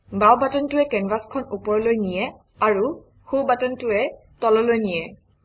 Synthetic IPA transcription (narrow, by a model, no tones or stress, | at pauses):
bawbatɔntʊɛkɛnɹaskʰɔnupɔɹlojnijɛ | aɹu | xubatɔntʊɛ | tɔlɔlojnijɛ